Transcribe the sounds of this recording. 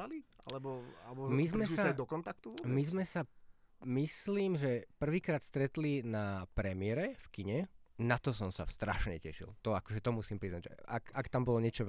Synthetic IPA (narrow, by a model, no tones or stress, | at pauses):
alialɛbɔa̰lɛbɔmizmɛsisaad̪ɔkɔnt̪ak̚t̪uʋɔbmizmɛsa | misliːmʒɛpr̩ʋiːkɾaːt̪st̪ɾɛt̪linapɾɛmɪɛɾɛfkiɲɛnat̪ɔsɔmsa̰st̪ɾa̰ʃɲɛ̰cɛ̰ʃḭlt̪ɔakɔʒɛt̪ɔmusiːmpɾiznaɟʒɛ̰a̰kakt̪ambɔlɔɲɛt͡ʃɔ